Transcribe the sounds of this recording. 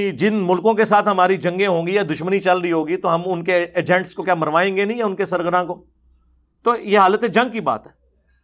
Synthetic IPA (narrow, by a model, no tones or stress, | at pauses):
id͡ʒɪnmʊlkõkesaːt̪ʰɦɐmaːɾid͡ʒɐ̃ŋɡẽɦõːɡiɛd̪ʊʃmənit͡ʃɐlɾəiɦoːɡit̪oɦɐmʊnkeeːd͡ʒɛ̃ːɳʈskokjaːmɐɾʋaːẽːŋɡenɐɦĩɛʊnkesɐɾɡəɾãkoː | t̪oːjeɦaːlət̪ẽd͡ʒɐ̃ŋɡ̚kiba̰ːt̪ɦɛː